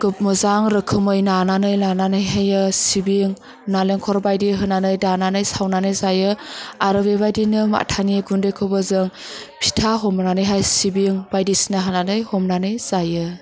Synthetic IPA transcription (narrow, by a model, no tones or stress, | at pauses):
ɡ̥ɯp̚mɯzaŋɾɯkʰɯmɯjnananɯjlananɯjɦajɯsibiŋ | naleŋkʰɔɾbajdiɦɯnanɯjdananɯjsawnanɯjzajɯaɾɯbebajdinɯma̰tʰaniɡundɯjkʰɯbɯzɯŋpʰi̥tʰaɦɔmnanɯjɦajsibiŋbajdisinaɦananɯjhɔmnanɯjz̥ajɯ